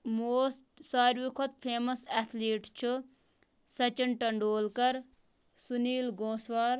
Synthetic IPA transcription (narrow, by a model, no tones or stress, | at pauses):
moːssaːɾʋikʰot̪̚pʰeːmɐsɛt̪ʰleːʈt͡ʃʰu | sɐt͡ʃinʈɐɳɖoːlkɐɾ | suniːlɡõːswaːɾ